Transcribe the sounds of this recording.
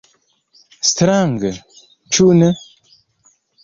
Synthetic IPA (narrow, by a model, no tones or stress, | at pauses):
st̪ɾaŋɡə | t͡ʃʰunə